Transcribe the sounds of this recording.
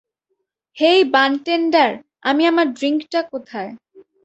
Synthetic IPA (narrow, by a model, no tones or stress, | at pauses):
hejbanʈenɖaɾ | a̰miamaɾɖɾiŋkʈakot̪ʰae